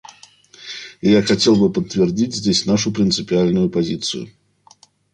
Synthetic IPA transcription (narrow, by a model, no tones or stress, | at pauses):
ɪjaxɐtʲe̞lˠbɨpət̪ːvʲɪrdʲitʲzʲdʲesʲnaʂʊpɾʲɪnt̪sɨpʲɪalʲnʊjʊpɐzʲit̪sɨ̰jʊ̰